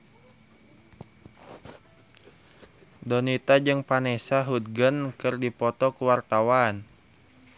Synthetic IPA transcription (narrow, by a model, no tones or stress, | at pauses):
dɔnit̪ad͡ʒɨŋpanɛsaɦut̪̚ɡənkɨrdipɔt̪ɔkuwart̪awan